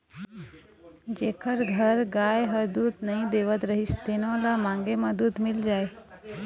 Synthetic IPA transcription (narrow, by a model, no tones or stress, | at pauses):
d͡ʑekʰəɾɡʱəɾɡajɦəd̪uːt̪nəĩd̪eʋət̪ɾəɦiɕt̪enõlamãŋɡeməd̪uːt̪mild͡ʑaj